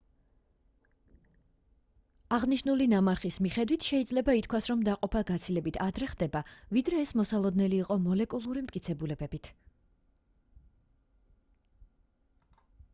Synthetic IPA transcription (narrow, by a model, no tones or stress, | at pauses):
aʁniʃnulinamaɾχismiχɛd̪wit̪ʰʃɛid̪zlɛbait̪ʰkʰwasɾɔmd̪aqʼɔpʰaɡat̪sʰilɛbit̪ʰad̪ɾɛχd̪ɛbavid̪ɾɛːsmɔsalˠɔd̪nɛliːqʼɔmɔlɛkʼulˠuɾimt̪̚ʰʼkʼit̪sʰɛbulɛbɛbit̪ʰ